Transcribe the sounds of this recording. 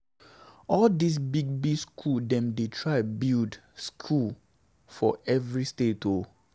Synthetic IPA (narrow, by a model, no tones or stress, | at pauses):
ɔldis̬biɡ̚biskʰuldɛ̃mdetʰɹaɪbildskʰul | fɔɛvɹisteto